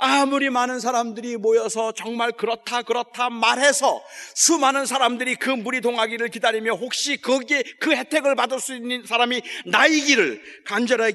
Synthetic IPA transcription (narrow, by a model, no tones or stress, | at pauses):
amuɾimanɯns̬ʰaɾamdɯɾimojʌsʰʌt͡ɕʌŋmaɭkɯɾʌtʰakɯɾʌtʰamaɾɦe̞sʰʌsʰumanɯnsʰaɾamdɯɾikɯmuɾidoŋɦaɡiɾɯɭkidaɾimjʌhok̚ɕ͈ikʌɡekɯhe̞tʰe̞ɡɯɭpadɯɭs͈uinːɯnsʰaɾaminaiɡiɾɯɭkand͡ʑʌɾɦa